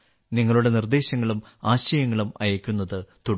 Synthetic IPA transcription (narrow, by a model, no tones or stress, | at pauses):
niŋːɐɭuɽe̞nird̪e̞ːɕɐŋːɐɭum | aːɕɐjɐŋːɐɭumɐ̰jɐkʲːunːɐðɨt̪uɽ